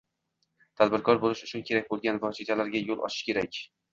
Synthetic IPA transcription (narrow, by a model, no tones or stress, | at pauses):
t̪ʰad̪bɪɾkʰɒɾbolɪʃʊt͡ʃʰʊnkʲʰe̞ɾakʲbolˠɡʲanvɒt͡ʃit̪ʰalaɾɡʲajolˠʔɒ̰t͡ʃʰɪ̥ʃkʲe̞ɾakʲ